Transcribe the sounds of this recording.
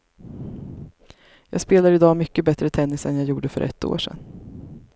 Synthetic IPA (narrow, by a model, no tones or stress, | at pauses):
jɑ̰ːɡspeːlaɾɪd̪ɑːmʏkːəbɛt̪ɾət̪ʰɛnːɪsɛ̰njaːjuːɖəfœ̰ɾʔɛ̰t̪ːo̰ːʂɛ̰n